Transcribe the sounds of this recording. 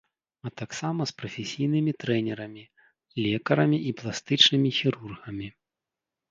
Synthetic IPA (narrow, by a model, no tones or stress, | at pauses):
ɐt̪aksamɐspɾɐfʲesʲijnɨmʲit̪ɾɛnʲɛɾɐmʲi | lʲɛkɐɾɐmʲiʔiplˠast̪ɨt͡ʂnɨmʲixʲiɾurɣɐmʲi